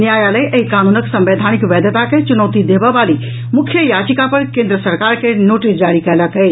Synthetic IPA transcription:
njajaləʔəɦikanunəksə̃mbed̪ʱanikʋɛd̪ət̪aket͡ʃunəʊt̪id̪ebəbali | mukʰjəjat͡ʃikapəɾkẽnd̪ɾəsəɾkaɾkenoʈisd͡ʒaɽikɛləkə

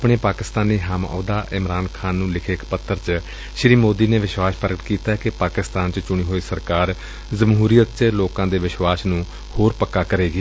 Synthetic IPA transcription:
pɳeːpaːkɪst̪aːniːɦamɔ̰ːd̪aːʔɪmɾaːnkʰaːnːũːlɪkʰeːkpət̪ʰːəɾt͡ʃ | ʃɾiːmoːd̪iːneːʋɪʃwaːspəɾɡət̪kiːt̪aːɛkɪpaːkɪst̪aːnt͡ʃət͡ʃʊɽ̃iːɦoːiːsəɾkaːɾ | zəmɦuːɾijət̪t͡ʃloːkãːd̪eːʋɪʃwaːsnũː | hoːɾpəkːaːkəɾeːɡeː

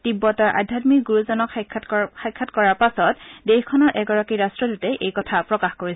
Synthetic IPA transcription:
d̥ibːɔtaɹʔa̰dʱjatmikɡuɹuzɔnɔkʰxajkʰːatkɔɹaɹpasɔtdexkʰɔnɔɹʔɛɡɔɹakiɹastɹɔdutɛʔejkɔtʰapɹɔkaxkoɹisɛ

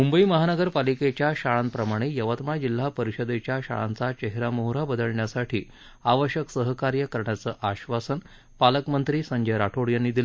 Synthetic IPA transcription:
mumbəiːməɦanəɡəɾpaliket͡ɕjaɕaɭanpɾəmaɽ̃ejəʋət̪mad͡ʑil̤ːapəɾiɕəd̪et͡ɕjaɕa̰ɭã̰nt͡sat͡ɕeɦɾamoɦɾabəd̪əɭɳjasaʈʰiː | aʋəɕjəksəɦəkaɾjəkəɾɳjat͡səːʔaɕʋasən | paləkmənt̪ɾiːsəɲd͡ʑəjɾaʈʰoɽjanːiːd̪il

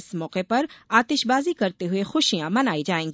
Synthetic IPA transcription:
smɔːqepɐɾaːt̪ɪʃbaːzikɐɾt̪eɦʊexʊʃijãmɐnaːid͡ʒaːẽːŋɡi

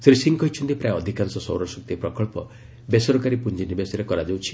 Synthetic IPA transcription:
sɾisiŋkɔɦjt͡ʃʰɔnt̪ipɾajɔd̪ʱikansɔsɔwɾɔsɔk̚t̪ipɾɔkɔɭpɔ | besɔɾɔkaɾipund͡ʒinibesɔɾekɔɾad͡ʒawt͡ʃʰi̥

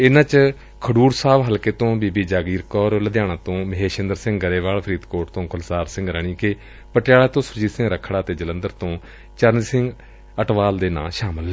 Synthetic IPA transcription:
ɪnãːt͡ʃ | kʰəɽuːɾsaːʋɦəlkeːt̪õːbiːbiːd͡ʒaːɡiːɾkɔːɾləd̪jaːnãːt̪õːməɦeːʃɪnd̪əɾsɪ̃ŋɡɡəɾeːʋaːlpʰɾiːd̪koːʈt̪õːkʰʊlsaːɾsɪ̃ŋɡɾəːɳ̃iːke | pəʈjaːlaːt̪õːsʊɾd͡ʒiːsɪ̃ŋɡɾəkʰːɽaːt̪eːd͡ʒələ̃nd̪əɾt̪õː | t͡ʃəɾnisɪ̃ŋɡ | əʈʋaːld̪eːna̰ːʃaːməlːɛ

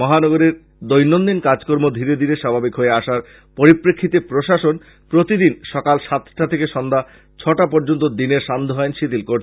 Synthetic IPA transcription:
mɔɦanɔɡoɾeɾ | d̪ojnːond̪inkad͡ʑkoɾmod̪ʱiɾed̪ʱiɾeʃabʱabikɦoeaʃaɾ | poɾipɾekʰːit̪epɾoʃaʃon | pɾot̪id̪inʃɔkalʃat̪ʰʈat̪ʰekeʃɔnd̪ʱa | t͡ɕʰɔʈapoɾd͡ʑont̪od̪ineɾʃand̪ʱoɦɔenʃit̪ilkoɾt͡ɕʰe̥

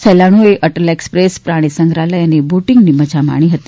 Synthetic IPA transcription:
səlaɽ̃ueʔəʈəlekspɾespɾaɽ̃isəŋɡɾaləjəneboʈɪŋɡniməd͡ʒʱama̰ɽ̃iɦət̪i̥

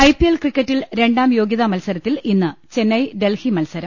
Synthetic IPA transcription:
ɐjpielkrikʲːɐtːilɾe̞ɳɖaːmjo̞ːɡjɐðɐmɐlsɐɾɐt̪ːilinːɨt͡ɕe̞nːɐjɖe̞lhimɐlsɐɾɐm

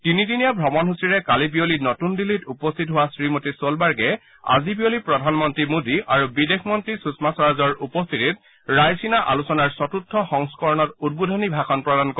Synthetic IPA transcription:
tinidinijabʱɔmɔnɦusiɹɛkalibijolinɔtundilitupɔst̪ʰit̬ɦʊwasɹimotisolbaɹɡɛ | a̰zibijolipɹɔdʱanmɔntɹimudiaɹubidexʰmɔntɹisusmasɔɹazɔɹupɔst̪ʰitit̚ | ɹajsinaʔa̰lusɔnaɹsɔtutʰːɔxɔŋskɔɹɔnɔtud̚budʱɔnibʱakʰɔnpɹɔdankɔ

